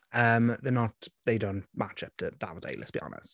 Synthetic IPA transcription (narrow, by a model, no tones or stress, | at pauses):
əmðənətðeɪdõʊ̃nmʔat͡ʃəp̚tʰəd̥a̰vədḛɪlʔɛtsb̥iɒ̰nə̰st